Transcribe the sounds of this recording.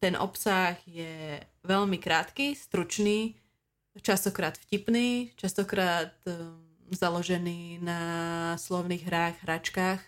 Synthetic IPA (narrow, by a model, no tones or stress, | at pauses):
t̪ɛnʔɔ̰psaɣjɛ | ʋɛʎmikɾaːt̪kist̪ɾut͡ʃniː | t͡ʃast̪ɔkɾaːt̪fcipniːt͡ʃast̪ɔkɾaːt̪ | zalɔʒɛniːnaslɔʊniːɣɦɾaːɣɦɾat͡ʃkaːx